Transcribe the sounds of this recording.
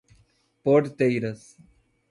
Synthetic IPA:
poːʈt̪ejɾɐs

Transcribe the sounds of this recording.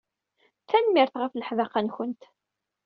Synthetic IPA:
θænmɪɾθʁəfləħvaqançənt̪

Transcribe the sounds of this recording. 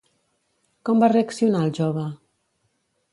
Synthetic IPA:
kɔmbareəksiunaəlˠʒɔβə

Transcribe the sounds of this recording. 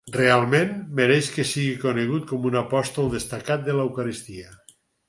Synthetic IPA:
realˠmẽnmeɾeʃkesiɣikoneɣ̞ut̪̚komunapɔst̪olˠd̪est̪akat̪̚d̪elewkaɾist̪ia

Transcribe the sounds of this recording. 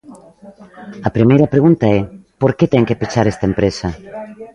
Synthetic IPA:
ɐpɾimejɾɐpɾeɣũnt̪aɛpoɾket̪ɛŋkepit͡ʃaɾest̪aempɾesɐ

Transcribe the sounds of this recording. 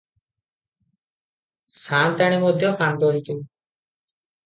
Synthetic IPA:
sant̪aɽ̃imɔd̪ʱjɔpand̪ɔɦik̪u

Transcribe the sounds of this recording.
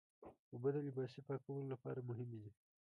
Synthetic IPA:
obad̪əlɪbɑsipɑkawəlolapɑ̰ɾamʊɦɪmed̪i

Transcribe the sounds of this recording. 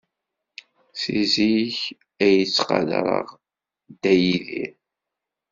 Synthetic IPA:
siziç | æjət͡sːqɑ̰lɾˤə̰ʁ | d̪æjiðḭɾ

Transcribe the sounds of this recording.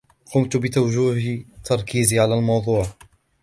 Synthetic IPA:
qʊmt̪bɪt̪awʒuːɦt̪ɑɾˤkiːziʕalaːlmɑwd̪ˤuːʕ

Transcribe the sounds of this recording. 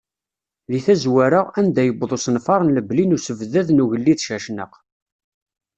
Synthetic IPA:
ðiθæzwæɾəʁænd̪æjəbðˤosnfɑɾˤənləblinusəvðæðnuʝəlːiθʃæʃnə̰q

